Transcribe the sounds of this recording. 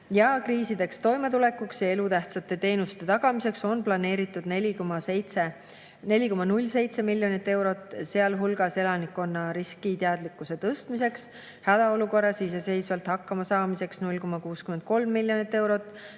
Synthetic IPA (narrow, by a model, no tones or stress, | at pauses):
jɑkriːsid̪e̞kst̪o̞jme̞t̪ule̞kːuksjɑe̞lut̪æht̪sɑt̪ːˑe̞t̪e̞ːnust̪e̞t̪ɑɡ̥ɑmise̞kso̞nplɑne̞ːɾit̪ːˑud̪nelʲikomɑsejt̪se | ne̞lʲiko̞mɑnulʲːse̞jt̪se̞milʲjo̞nit̪ːe̞wɾo̞t̪ːˑse̞ɑlɦulɡ̥ɑse̞lɑnikːo̞nːɑɾiskit̪eɑd̪likːˑuse̞t̪ɤst̪mise̞ks | hæd̪̥ɑo̞luko̞rːɑsiːs̬ese̞jsvɑlt̪hɑkːɑmɑsɑːmise̞ksnulʲko̞mɑkuːskyme̞nd̪̚ko̞lmːilʲːjo̞nit̪ːe̞wɾo̞t̪ːˑ